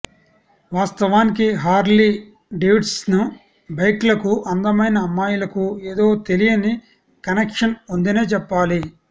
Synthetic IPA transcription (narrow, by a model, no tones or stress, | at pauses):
ʋaːst̪ɐʋaːnik̬iɦaːɾli | ɖewʈsnu | bɐjklɐkuʔɐnd̪ɐmɐjnɐːmːaːjulɐkueːd̪o̞ːt̪e̞lijɐni | kɐnekʂɐnund̪ineːt͡ʃɛpːaːli